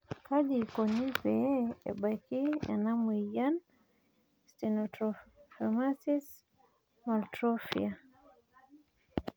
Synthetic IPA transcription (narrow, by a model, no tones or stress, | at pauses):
kad͡ʒikɔnipɛɛ̰ɓakia̰namuijan | stinɔtɾɔfamasis | maltɾɔfḭa